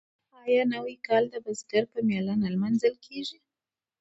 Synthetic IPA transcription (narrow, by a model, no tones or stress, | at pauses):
ɑjɑnawikɑld̪əbasɡaɾpəmjɑlanalmanzəlkʰeʒi